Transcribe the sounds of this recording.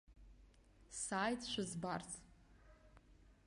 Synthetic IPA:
saːjtʰʼʃʷᶣazbart͡sʰʼ

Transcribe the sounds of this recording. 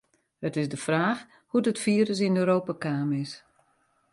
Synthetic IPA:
hətɪzdəfraːx | hudətfiːɾəs̬ɪnøɾoːpakaːmɪs

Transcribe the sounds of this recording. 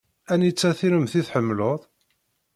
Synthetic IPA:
ænjət͡sːæθiɾəmθiθħəmːloðˤ

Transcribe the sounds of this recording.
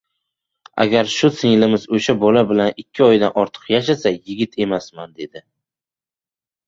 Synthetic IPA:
a̰ɡʲaɾʃʊsɪŋlɪmɪzoʃabɒlabɪlanɪkʲʰːɪɒjd̪anɒɾt̪ʰɨ̥qjaʃasajɪɡʲɪt̪ʰe̞masmand̪e̞d̪ɪ

